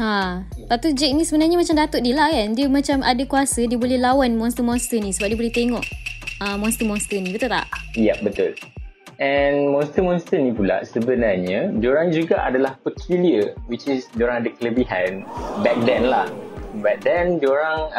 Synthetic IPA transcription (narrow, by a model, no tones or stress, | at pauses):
hapat̪ud͡ʒɛk̚nisəbənarɲamãt͡ʃamdat̪ʊʔ̪̚diəlahkandiəmãt͡ʃamʔadakuasədiəbolɛhlawanmɔ̃nst̪əmɔnst̪ənĩsəbap̚diəbolɛht̪eŋɔʔəmɔ̃nst̪əmɔnst̪ənĩbət̪ult̪a̰ʔjɛp̚bət̪ʊl | ʔɛnmɔnst̪əmɔ̃nst̪ənĩpula̰ʔsəbənarɲad͡ʒoɾaŋd͡ʒuɡaʔa̰dalahpəkʰuliəwit͡ʃisd͡ʒoɾaŋadakələbiɦanbɛk̚dɛ̃nlahbat̪̚dɛnd͡ʒoɾaŋ